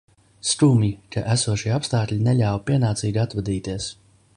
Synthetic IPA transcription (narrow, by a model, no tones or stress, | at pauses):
st̪uːmikaʔæsuɔʃiɛapst̪aːt̪lʲinɛlʎʲawpiɛnaːt̪siːɡat̪vad̪iːt̪iɛs